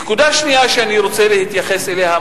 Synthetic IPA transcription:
ekud̪aʃniaʃeaniɾo̞t͡selehit̪jaχe̞seleɦa

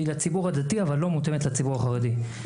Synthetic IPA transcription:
lat͡sibuʁhad̪at̪iavalːo̞mut̪emetlat͡sibuʁaχaʁed̪i

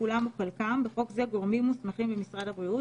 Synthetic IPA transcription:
ulamuχelkambeχo̞kzeɡo̞ʁmimːusmeχimbemisʁadabʁiu

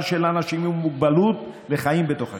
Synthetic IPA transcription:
ʃelanaʃimumːuɡ̚balutleχaimbet̪o̞χa

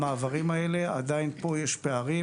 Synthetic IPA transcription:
maːvaʁimae̞le̞ad̪ainpo̞jeʃpeaʁi

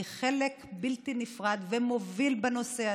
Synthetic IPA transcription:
χelekbilt̪inifʁad̪vemo̞vilbeno̞sea

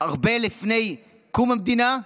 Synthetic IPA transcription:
aʁbelifnej | kumamd̪ina

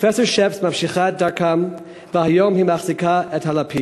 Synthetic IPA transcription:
fɛsɔʃɛfsmamʃiχat̚daɹkʰam | vəhajomhimaχzikʰaɛthalapʰi

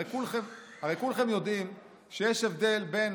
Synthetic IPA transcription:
ejkulχemhaʁejkulχemjo̞d̪im | ʃejeʃevd̪e̞lbe̞n

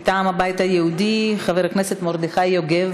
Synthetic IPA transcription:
t̪aːmabajit̪hajehud̪iχaveʁakneset̪moʁd̪iχajːoɡev

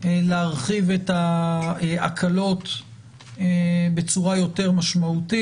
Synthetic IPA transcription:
leaʁχiveta | a̰kʰalo̞t̪ | ebet͡suʁajo̞te̞ʁmaʃmaut̪i

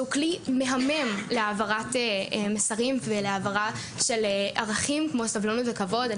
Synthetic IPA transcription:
uklime̞ɦamemleavaʁatemesaʁimveleavaʁa | ʃe̞lʔaʁaχimkmosavlonutvekavo̞da

